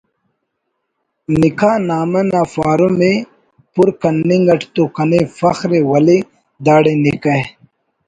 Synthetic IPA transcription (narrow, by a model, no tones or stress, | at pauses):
nikaːnaːmɐnafaːɾume | puɾkɐnːiŋɡɐʈt̪ukɐnefɐxɾewɐli | d̪aːɽenikɐ